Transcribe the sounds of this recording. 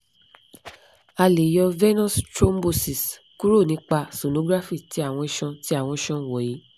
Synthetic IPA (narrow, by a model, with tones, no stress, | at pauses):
a˧le˨jɔ˧vɛ˦nɔ̃˦stɾo˦m˦bo˧si˨s | ku˦ɾo˦˨nĩ˨˦k͡pa˧so˨nõ˨˦ɡɾa˦fi˦˨ti˨˦a˦˨w̃ɔ̃˧i˧ʃɔ̃˧ti˨˦a˦˨w̃ɔ̃˧i˧ʃɔ̃˧˨wɔ˨ji˨˦